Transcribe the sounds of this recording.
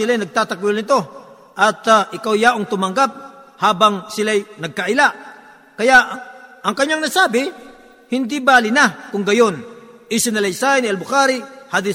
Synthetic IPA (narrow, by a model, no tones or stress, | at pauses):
ɪlajnɐɡ̚t̪aːt̪ɐkʊlnɪt̪o̞ | ʔɐt̪ʔɪkawjaʔʊŋt̪ʊmɐŋɡap̚haːbaŋsɪlajnɐɡ̚kɐʔɪlaʔ | kɐjaʔʔɐŋkɐɲːaŋnasaːbɪ | hɪnd̪ɪbaːlɪnakʊŋɡɐjonʔisɪnɐlɐjsaɪnɪɐlbʊkaːɾɪhad̪ɪ